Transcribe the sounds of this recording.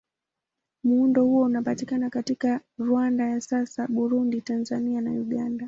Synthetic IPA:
muundɔhuwɔunapatikanakatikaɾuwandajasasaɓuɾunditanzaniana̰uɠanda

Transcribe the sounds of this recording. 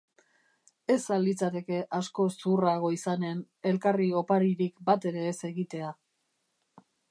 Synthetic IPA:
e̞salit͡sat̪e̞ke̞ʔasko̞suraɣ̞o̞isane̞n | e̞lkario̞paɾiɾikbat̪e̞ɾe̞ːse̞ɣit̪e̞a

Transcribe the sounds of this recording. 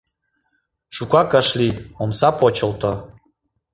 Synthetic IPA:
ʃukɑkəʃliomsɑpot͡ɕə̆lt̪o

